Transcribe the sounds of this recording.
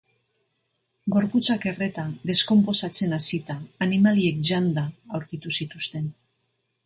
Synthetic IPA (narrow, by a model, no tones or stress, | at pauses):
ɡo̞ɾput͡sake̞re̞t̪aðe̞sko̞mpo̞sat͡se̞nasit̪aːnimalie̞k̚ʝand̪aːwɾkit̪usit̪ust̪e̞n